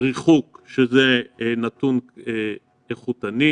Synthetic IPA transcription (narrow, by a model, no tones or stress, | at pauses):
ʁiχukʃezenat̪une | eχut̪ani